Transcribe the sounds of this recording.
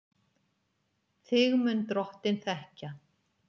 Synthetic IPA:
θɪɣmʏnt̪ɾɔht̪ɪnθɛhca

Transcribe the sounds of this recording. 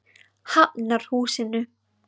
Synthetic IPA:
hapnaɾ̥huːsɪnʏ

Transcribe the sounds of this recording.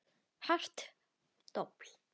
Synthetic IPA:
ħar̥t̪ | t̪ɔpl

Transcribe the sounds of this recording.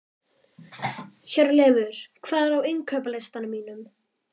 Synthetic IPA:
çɛɾlɛːvʏɾ̥kʰvaːðɛɾawɪŋkʰœːpalest̪anʏmiːnʏm

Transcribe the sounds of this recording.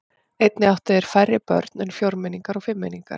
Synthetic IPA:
ejt̪nɪawht̪aðɛɾ̥fajrːɪpœ̰ɾt̪nʏnfjowɾmɪniŋkaɾɔɣfɪmːeniŋka̰ɾ̥

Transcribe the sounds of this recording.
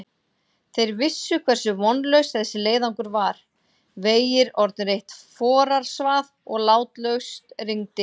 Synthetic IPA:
θejɾvɪsːʏkʰvɛr̥sʏvɔnlœɥst̪θɛsːɪleːjðawŋkʏɾvaɾ̥ | veːjɪɾɔɾt̪nʏɾejht̪fɔːɾaɾ̥svaðɔɣlaːwt̪lœɥst̪riŋt̪ɪ

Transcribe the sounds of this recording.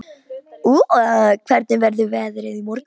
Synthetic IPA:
ukʰvɛɾt̪nɪvɛɾðʏvɛːðɾɪðimɔɾk

